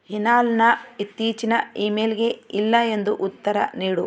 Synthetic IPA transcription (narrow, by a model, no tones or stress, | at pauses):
hinaːlnɐit̪ːiːt͡ʃinɐiːmeːlɡeilːɐe̞nd̪uʔut̪ːɐɾɐ̰niːɽu